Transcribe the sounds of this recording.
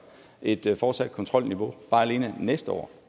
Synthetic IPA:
ʔe̝d̥fɒ̥ːsæd̥̚kʰɔ̽nt͡sʰʁɒ̽l̰niʋo̝b̥ɑ̈ːæle̝ːnənesd̥əɒ̰ː

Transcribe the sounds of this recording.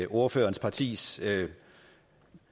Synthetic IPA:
ʔo̝ɐføːɐnspʰɑ̈t͡sʰḭːs

